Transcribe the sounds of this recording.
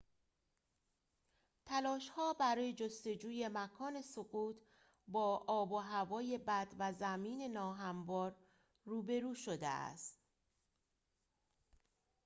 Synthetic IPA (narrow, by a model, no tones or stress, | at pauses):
t̪ʰælɒːʃhɒːbæɾɒːje̞d͡ʒost̪o̞d͡ʒuːje̞mækʰɒːne̞soɣuːt̪ʰ | bɒːʔɒːboɦævɒːje̞bæd̪væzæmiːne̞nɒːɦæmvɒːɾ | ruːbe̞ɾuːʃod̪ḛæ̰st̪